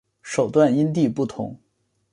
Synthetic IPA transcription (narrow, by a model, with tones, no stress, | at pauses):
ʂo˨˩ʊt̪wa˥˩ni˥nt̪i˥˧pu˥˩t̪ʰʊ̰˧˥˦ŋ